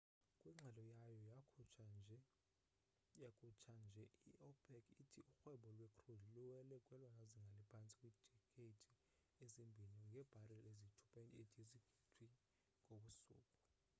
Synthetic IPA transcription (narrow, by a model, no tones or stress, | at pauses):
kʼwiŋ͡ǁʱalɔjajɔjak | akʼut͡ʃʰand͡ʒʱɛiɔpʰʼɛkʰʼitʰiʔuxwɛɓɔlwɛkʰʼrudʱiluwɛlɛkʼwɛlwanaziŋɡʱalipʰant͡sʼi̥kʼwiːd̥ʱɛkʼetʰʼi | ezimbʱiniŋɡʱɛb̥ʱarɛlezitʰu̥pʼaedʱziɡ̥ʱitʰwi | ŋʼoɓusṵːkʼɔ̥